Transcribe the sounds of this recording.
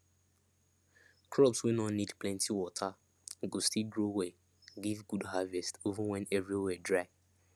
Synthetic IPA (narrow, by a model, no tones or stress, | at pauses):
kʰɹɔpswinɔnidplɛ̃ntʰiwɔtʰa | ɡostiɡɹowe | ɡivɡudhavɛstovəwɛ̃nɛvɹiwɛdɹaɪ